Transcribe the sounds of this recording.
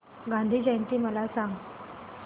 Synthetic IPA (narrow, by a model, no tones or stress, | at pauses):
ɡãnd̪ʱiːd͡ʑəjnt̪iːməlasãŋɡ